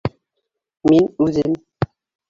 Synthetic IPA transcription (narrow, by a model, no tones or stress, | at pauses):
minuzen